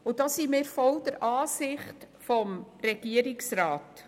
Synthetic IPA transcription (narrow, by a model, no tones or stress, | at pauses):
ʊd̥ɑsimɪːɾfɔld̥̪əɾʔɑːsɪχt | fɔmrɛɡ̥iəɾiksɾɑːt